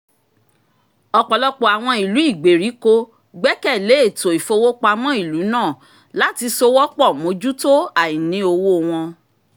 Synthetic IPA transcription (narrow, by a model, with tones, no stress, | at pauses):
ɔ˧k͡pɔ˨lɔ˦k͡pɔ˦˨a˨w̃ɔ̃˧i˨lu˨˦i˦˨ɡ͡be˨ɾi˨˦ko˧ | ɡ͡bɛ˦kɛ˦˨le˨˦e˦˨to˨i˨fo˧wo˦k͡pa˧mɔ̃˦i˦˨lu˨˦nãː˦˨ | la˦ti˧so˧wɔ˦k͡pɔ˦˨mo˨˦d͡ʒu˦to˦a˦˨ĩ˨nĩ˧˦o˧wo˦w̃ɔ̃˧